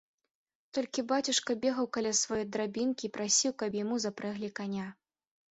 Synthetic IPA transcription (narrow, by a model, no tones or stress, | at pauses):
t̪ɔlʲkʲibat͡sʲuʂkɐbʲɛɣɐwkalʲasvajɔjd̪ɾabʲinkʲiːpɾasʲiwkɐpjamuzapɾɛɣlʲikanʲa